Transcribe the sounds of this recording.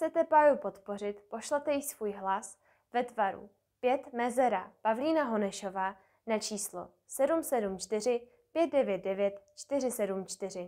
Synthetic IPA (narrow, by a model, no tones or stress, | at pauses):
t͡sɛt̪ɛpaɾupo̞t̪po̞r̝ɪt̪po̞ʃlɛt̪ɛjɪsvuːjɦlas | vɛt̪vaɾṵ | pjɛt̪mɛzɛɾapavliːnaɦo̞nɛʃo̞vaː | nat͡ʃiːslo̞̰ | sɛdumsɛdumt͡ʃt̪ɪr̝ɪ | pjɛt̪̚dɛvjɛt̪̚dɛvjɛt̪t͡ʃt̪ɪr̝ɪsɛdumt͡ʃt̪ɪrɪ